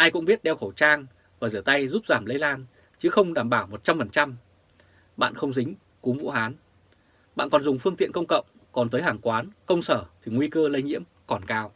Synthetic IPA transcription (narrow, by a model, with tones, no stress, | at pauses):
ʔaː˧jkʊ̰˧˥ŋ͡mɓi˦˥ət̚ɗɛ˧wxə˧˩wt͡ɕaː˧ŋ | vaː˨˩zɨː˧˩ət̪a˧jzu˦˥p̚zaː˧˩mlə˧jlaː˧n | t͡ɕɨ˨˦xə˧wŋ͡mɗaː˧˩mɓaː˧˩wmo˨˩t̚t͡ɕa˧mfə˨˩nt͡ɕa˧m | ɓa̰ː˧˨nxə˧wŋ͡mzï˨˦ŋ̟ | ku˨˦mvṵ˧˥haː˨˦n | ɓa̰ː˧˨nkɔ˨˩nzʊ˨˩ŋ͡mfɨ˧əŋt̪ḭ˧˨ənkə˧wŋ͡mkə̰˧˨wŋ͡m | kɔ˨˩nt̪əː˨˦jɦaː˨˩ŋkwaː˨˦nkə˧wŋ͡msəː˧˩t̪ʰi˨˩ŋwi˧kəː˧lə˧jŋḭ˧˥əm | kɔ˨˩nkaː˧w